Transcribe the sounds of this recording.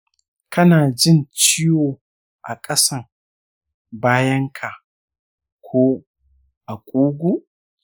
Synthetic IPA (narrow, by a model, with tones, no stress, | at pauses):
kʰɐ˦naː˨d͡ʒɪ˦˨nt͡ʃɪ˦joː˨ | ʔa̰˨kʼɐ˦sɐ˦˨ŋ | baː˦jɐ˦ŋkʰa˨ʔ | kʷʰoː˦ | ʔa˨kʷʼoː˦ɡʷu˦ʔ